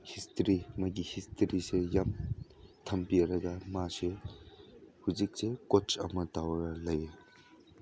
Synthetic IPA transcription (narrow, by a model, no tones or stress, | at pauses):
histʰɾimɐɡihistʰɐɾisejamtʰɐmpiɐɾɐɡɐmase | huzik̚sekot͡ʃɐmɐtawɐɾɐlɐje